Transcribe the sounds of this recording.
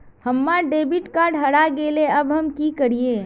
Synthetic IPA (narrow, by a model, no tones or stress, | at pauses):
hɐmːaɖeːbɪʈkaːɖɦɐɽaɡeːleɐbɦɐmkikəɾieː